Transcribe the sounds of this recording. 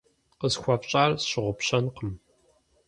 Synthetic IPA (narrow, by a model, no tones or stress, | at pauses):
qəzxʷɐpt͡ʃʼaːrsɕɪʁʷʊpɕɐnqəm